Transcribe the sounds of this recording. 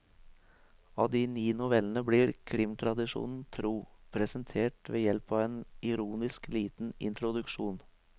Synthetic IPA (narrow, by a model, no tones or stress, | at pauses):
ɑːd̪iːniːnʊʋɛln̩əbɽiːɾkʰɾɪmt̪ʰɾɑd̪ɪʂṵːnn̩t̪ʰɾuːpʰɾɛsənt̪ʰeːʈʋeːjɛlpɑːʋeːnɪɾuːnɪskliːt̪n̩ɪ̰nt̪ɾʊd̪ʉkʂuːn